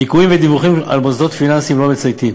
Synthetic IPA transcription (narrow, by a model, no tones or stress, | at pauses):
ikuimved̪ivuχima̰lbozdo̞t̪finansimlomet͡sajt̪im